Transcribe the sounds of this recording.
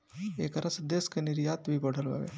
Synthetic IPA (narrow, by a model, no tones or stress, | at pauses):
ekɐɾɐsd̪eskəniɾijat̪ʋibəɽʱəlʋa̰ʋḛ